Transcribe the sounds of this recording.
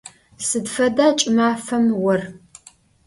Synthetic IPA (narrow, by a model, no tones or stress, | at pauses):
sɨdfɐdaːt͡ʃʼɪmaːfɐmwɐr